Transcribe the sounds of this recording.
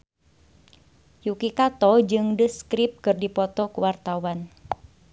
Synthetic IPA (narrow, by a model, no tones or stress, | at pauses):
jukikat̪ɔd͡ʒɨŋdəskɾɪp̚kɨrdipɔt̪ɔkuwart̪awan